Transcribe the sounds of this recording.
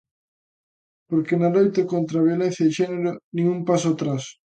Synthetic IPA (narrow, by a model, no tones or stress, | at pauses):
poɾkenalojt̪ekont̪ɾaβjolẽn̟θjaðɪʃɛneɾonĩŋumpasoat̪ɾas